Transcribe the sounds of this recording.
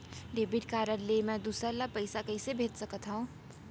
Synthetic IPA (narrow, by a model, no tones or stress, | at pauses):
ɖeːbiʈkaːɾəɾlemɛ̃d̪uːsalapəɪsakəɪsebʱeːt̪səkət̪ɦũ